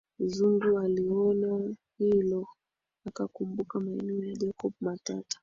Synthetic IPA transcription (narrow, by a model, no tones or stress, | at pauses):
zundualiɔnahilɔ | akakumbukamaɛnijad͡ʒakɔb̚mata̰tḁ